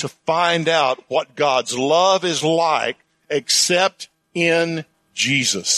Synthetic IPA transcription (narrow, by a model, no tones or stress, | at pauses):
tʰɨfãɪ̃ndaʊt̚wʌt̚ɡ̥ɑdzlʌvɪzlaɪk̚ | ɨksɛp̚t | ɪ̃n | d͡ʒizɨs